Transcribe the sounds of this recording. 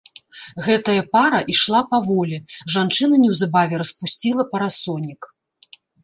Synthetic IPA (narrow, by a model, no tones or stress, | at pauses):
ɣɛt̪ɐjɐpaɾɐʔiʂlˠapavɔlʲɛʐant͡ʂɨn̪ɐnʲɛwzabavʲɛɾɐspusʲt͡sʲilˠɐpɐɾasɔnʲik